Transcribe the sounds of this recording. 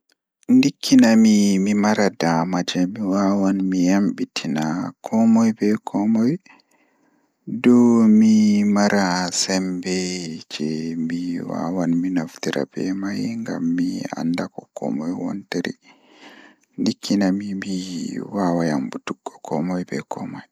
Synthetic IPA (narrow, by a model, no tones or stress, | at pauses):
ndikʰːinamimimaɾadamad͡ʒɛmiwawanmijamɓitʰinakʰɔmɔjbɛkʰɔmɔj | dɔmimaɾasɛmbɛd͡ʒɛmiwa̰wanminoftiɾa̰bɛ̰majŋɡa̰mːia̰ndakɔkɔ̰mɔjwɔ̰nteɾḭ | ndikʰːinamimiwawajambutuɡːɔkʰɔ̰mɔjbɛ̰kʰɔmɔj